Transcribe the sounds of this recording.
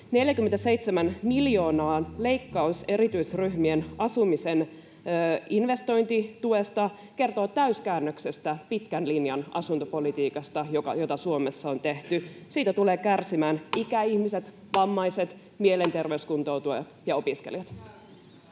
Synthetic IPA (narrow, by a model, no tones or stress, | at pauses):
ne̞ljækymːent̪æse̞ijt̪semænmiljo̞ːnɑːnle̞jkːɑuse̞ɾit̪yisryhmienɑsumisenː | inʋe̞st̪o̞jnt̪it̪ue̞st̪ɑ | ke̞rt̪o̞ːt̪æyskæːnːøksest̪æpit̪kænlinjɑnɑ̰sunt̪opo̞lit̪iːkɑst̪ɑjokɑ̰jot̪ɑsuomesːɑo̞nt̪e̞ht̪ysiːt̪æt̪uleːkærsimæːnikæiçmise̞t̪ | ʋɑmːɑjse̞t̪ | miele̞nt̪e̞rʋeyskunt̪o̞wt̪uɑt̪jɑo̞piskelijɑt̪